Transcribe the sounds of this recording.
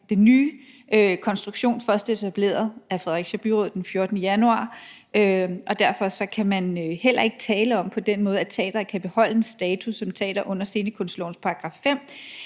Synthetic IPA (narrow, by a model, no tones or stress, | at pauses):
d̥enːyː | økʰɒ̽nsd̥ʁuɡ̥ɕo̝̰ːnfɶɐsd̥e̝t͡sʰæb̥le̝̰ːɐðˠæfʁɛðˠʁeɡ̥ɕæb̥yʁoð̰̥ˠenfjo̝ɐd̥ənəjænuɑ̰̈ː | øʔɒ̽d̥æɐfɒ̽sɒ̽kʰæmænøhel̰ɐe̝ɡ̥ət͡sʰɛːləɒ̽m̰pʰɒ̽d̥enmɔ̽ːð̞̩ˠæt͡sʰɛ̰ːd̥ɐkʰæb̥e̝hɒ̽l̰əe̝sd̥ɛːt͡sʰusːɒ̽mt͡sʰɛ̰ːd̥ɐʔɔ̽n̰ɐse̝ːnəkʰɔ̽nslɒ̰ʊn̩spʰɑ̈ʁɑ̈ɡ̥ʁɑ̈ffem̰